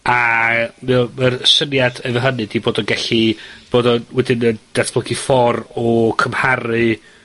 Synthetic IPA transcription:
amɛmərsənjadɛvəɦənɨdiboːdɔɡɛɬib̥oːdɔwɛdɨnəd̥aθb̥ləɡifɔrɔkʰəmhaɾɨ

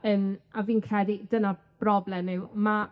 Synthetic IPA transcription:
ənaviːnkʰrɛdˠid̥əna | b̥rɔblˠɛmnɪwma

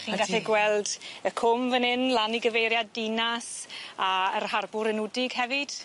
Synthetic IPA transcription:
χiːanɡaɛɡwɛlˠdəkʰʊmvənɪnlˠaniɡəvejɾjadːɪnasaərɦarbʊɾɛnʊdɪɡhɛvɪd̥

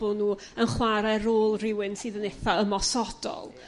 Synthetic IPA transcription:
ʊnuː | ənχwaɾɛɾoːlˠrɪwɨnsiːðəneθaəmɔsɔd̥ɔ̰lˠ

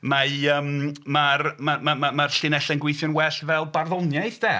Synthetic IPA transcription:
maəːmmarmamamamarɬɪnɛɬɛnɡwɪjθjɔnwɛɬvɛlˠbarðɔnjajθd̥ɛ

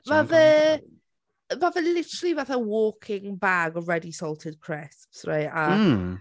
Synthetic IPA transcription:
vaðə | vavəlɪtəɹəlˠivaθəwɔːkʰɪŋbaɡɔɹɛdisɔlˠtʰɪd̥̚kʰɹ̥ɪspsɹa̰ɪta

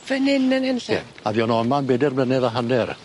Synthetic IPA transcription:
v̥ənɪnənhɛnɬɛ̰ | avjɔnɔnmanbɛdɪrmlənɛðaɦanɛr

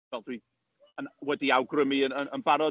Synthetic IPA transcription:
ɛlˠdwiː | ənwɛdiawɡrəmiəənənbaɾɔ

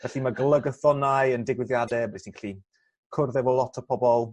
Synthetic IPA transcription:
vɛɬimaɡəlˠəɡəθɔnajəndɪɡwɪðjadɛbɛsnikʰḁli | kʰʊrðɛvɔlˠɔtʰəpʰɔbɔlˠ

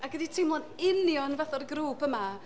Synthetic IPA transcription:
aɡəditʰejmlˠɔnɪnjɔnvaθɔrɡruːpʰəma

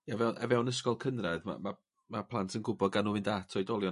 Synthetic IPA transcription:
javɛwnʔɛ̰vɛwnəskɔlˠkʰənrɛdma̰ma | mapʰlˠantʰənɡʊbɔd̚ɡanuvɪndatʰɔɨdɔlˠjɔ

